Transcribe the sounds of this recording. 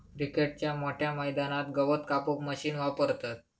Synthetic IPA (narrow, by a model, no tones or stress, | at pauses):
kɾikeʈ̚t͡ɕjamoʈʰjaməjd̪anat̪ɡəʋət̪kapokməɕiːnʋapəɾt̪at̪̚